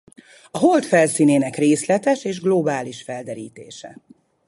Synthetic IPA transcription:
ɒɦolt̪fɛlsiːneːnɛkreːslɛt̪ɛʃeːʒɡlobaːliʃfɛld̪ɛɾiːt̪eːʃɛ̰

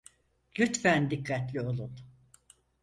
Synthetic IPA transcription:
lʲyt̪fænd̪ikʰːat̪lʲio̞lˠun

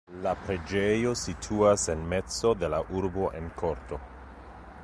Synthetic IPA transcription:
lapɾe̞d͡ʒejo̞sitʰuasenme̞t͡so̞de̞laʔuɾbo̞ʔe̞nkʰo̞ɾto̞

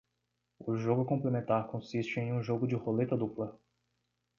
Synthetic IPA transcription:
ʊʒoɡʊkõplemẽnt̪aɾkõsist͡ʃɪẽj̃ũʒoɡʊd͡ʒɪholet̪ɐd̪uplɐ

